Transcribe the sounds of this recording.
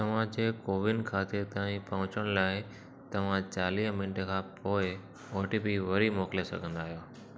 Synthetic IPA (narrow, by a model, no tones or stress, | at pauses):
t̪ɐʋ̤ãd͡ʑeːkoːʋɪnkʰaːt̪ɪɾt̪ãːĩpɐɦʊ̃t͡ɕəɽ̃ʊlaːɪ | t̪ɐʋ̤ãt͡ɕaːliːɦmɪnʈkʰãːpoːɪ | oːʈibiʋɐɾimoːkɪlesɐ̰ɡʱə̃nd̪aːɦijoː